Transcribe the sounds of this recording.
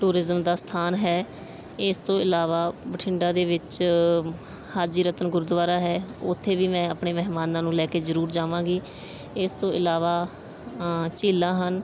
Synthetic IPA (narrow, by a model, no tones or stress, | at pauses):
ʈuːɾɪzəmd̪aːst̪ʰaːnɦɛː | ɪst̪õːɪlaːʋaːbəʈʰɪɳɖaːd̪eːʋɪt͡ʃ | haːd͡ʒiːɾət̪ənɡʊɾd̪ʋaːɾaːɦɛːʊt̪ʰːeːʋiːmɛ̃ːapɳeːmɛɦmaːnãːnũːlɛːkeːzəɾuːɾd͡ʒaːʋãːɡiː | ɪst̪õːʔɪlaːʋaː | t͡ʃiːlãːɦən